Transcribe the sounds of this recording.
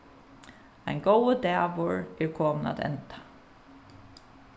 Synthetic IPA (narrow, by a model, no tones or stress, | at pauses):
ajnɡɔwəd̪ɛːʋʊɹɛɹkʰoːməna̰t̪ʰɛ̰nt̪ḁ